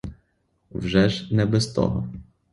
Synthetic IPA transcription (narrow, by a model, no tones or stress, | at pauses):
wʐɛʒnɛbɛst̪ɔ̰ɦɔ̰